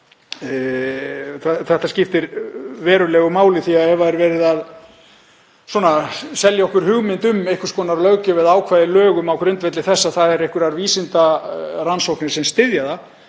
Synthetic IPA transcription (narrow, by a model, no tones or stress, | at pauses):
θθɛht̪ascɪft̪ɪɾvɛːɾʏlɛɣʏmaːwlɪθiahɛvaɛɾvɛːɾɪðað | swɔːnasɛljaɔhkʏɾ̥hʏɣmɪnt̪ʏmejhkʏ̥skɔːnaɾlœɣcʏvɪðaːwkʰvajðɪlœːɣʏmawkʰɾʏnt̪vɛt̪lɪθɛsːaðθaðɛɾejhkʏɾaɾviːsɪnt̪aɾansowhknɪ̥sɛmst̪ɪðjaða